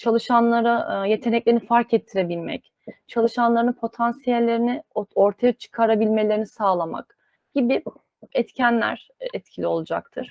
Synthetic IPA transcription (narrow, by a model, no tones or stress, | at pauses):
t͡ʃʰalˠɯʃanlˠaɾaje̞t̪ʰe̞nɛclʲe̞ɾinifaɾkɛt̪ʰːiɾebilʲmɛ̰c | t͡ʃʰalˠɯʃanlˠaɾɯnpʰo̞t̪ʰansijɛlʲːe̞ɾinɪoɾt̪ʰajat͡ʃʰɯ̥kʰaɾabilʲmelʲe̞ɾinisaːlˠama̰k | ɟ̥ibi | ɛt̪cʰænlʲæ̰ɾ̥ | ɛt̪cʰilʲio̞lˠud͡ʒa̰k̚t̪ʰɯɾ̥